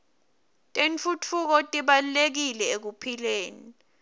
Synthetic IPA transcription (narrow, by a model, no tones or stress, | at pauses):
tʼent͡fut͡fʰuk̬ɔtʼiɓalulek̬ilɛek̬upʰileːni